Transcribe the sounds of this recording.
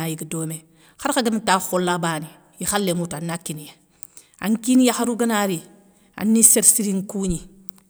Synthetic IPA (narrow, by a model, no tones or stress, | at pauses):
ajiɡədoːme | xaɾkaɡamtaxolːabaːni | jixalːemutanːakinije | a̰ŋkinijaxaɾuɡanaɾi | a̰nːiseɾsiɾiŋkuɲi